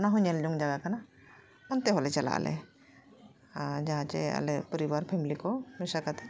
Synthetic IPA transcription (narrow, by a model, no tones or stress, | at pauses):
naɦɔɲald͡ʒɔŋd͡ʒaɡakana | mɔnt̪ɛɦɔlɛt͡ʃala̰ʔlʔɛ̰ | d͡ʒaɦãt͡ʃɛ̰a̰lɛpəɾibaɾpʰɛmilikɔmɛsakat̪ʰɛ